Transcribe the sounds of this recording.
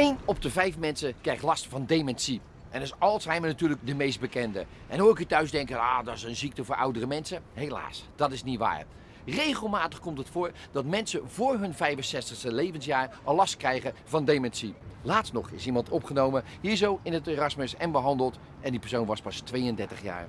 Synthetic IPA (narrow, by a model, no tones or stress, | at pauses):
ejnɔp̚dəvɛjfmɛnsəkrɛjχtlɑstfɑndemɛnsi | ʔɛndɪsɑlˠsɦɛjmənatyːlək̚dəmejst̚bəkɛndə̰ | ʔɛnoːɪkitœɥzdɛŋkəaːdɑɪsənzik̚təvʊːɹʔʌ̰wdərəmɛnsəɦejla̰ːsd̥ɑtɪsnitʋa̰ːɹ | rejχəlˠmaːtəχkɔmtətfʊːɹ | dɑtmɛnsəvʊːɹɦɵnvɛjvənsɛstəχstəlejvənsjaːɹʔəlɑstkrɛjχəvɑndemɛnsilaːtstnɔχɪsimɑntʰɔpχənowmə | hiːɹzowɪnəteːrɑsməsɛnbəɦɑndəlˠt | ʔɛndipɛɹsownʋɑspɑstʋejəndɛɹtəχja̰ːɹ